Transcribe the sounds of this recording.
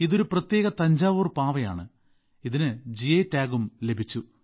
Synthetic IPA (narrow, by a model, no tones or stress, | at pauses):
iðo̞ɾuprɐt̪jeːɣɐt̪ɐɲd͡ʑaːʋuːrpaːʋɐja̰ːɳɨ | iðinɨd͡ʑietːaːɣumle̞bʱit͡ɕːu